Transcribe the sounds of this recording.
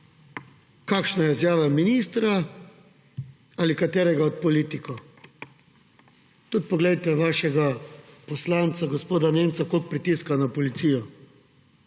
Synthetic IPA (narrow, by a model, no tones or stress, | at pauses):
kakʃnajɛzjaːʋaminiːst̪ɾa | alikat̪ɛːɾɛɡaɔt̪̚pɔliːt̪ikɔ | t̪ut̪̚pɔɡlɛjt̪ɛʋaːʃɛɡapɔslaːnt̪saɡɔspoːd̪aneːmt̪sakok̚pɾit̪iskanapɔlit̪sijɔ